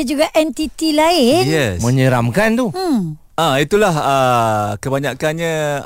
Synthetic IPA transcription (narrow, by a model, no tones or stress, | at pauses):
əd͡ʒuɡaʔɛnt̪it̪ilaɪnjɛsmə̃ɲəɾamkant̪u | ait̪ulahəkəbaɲakanɲã